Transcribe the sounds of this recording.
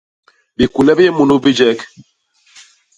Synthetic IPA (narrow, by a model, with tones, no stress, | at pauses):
bi˨ku˨lɛ˦bjɛ˦mu˨nu˦bi˦d͡ʒɛ˦k